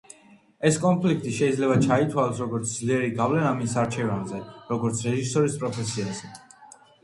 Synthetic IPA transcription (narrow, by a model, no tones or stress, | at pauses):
ɛskʼɔmpʰlik̚ʰt̪ʼiʃɛid̪zlɛbat͡ʃʰait̪ʰwalɔsɾɔɡɔɾt̪sʰd̪zliɛɾiɡavlɛnamisaɾt͡ʃʰɛvanzɛɾɔɡɔɾt̪sʰɾɛʒisɔɾispʼɾɔpʰɛsiazɛ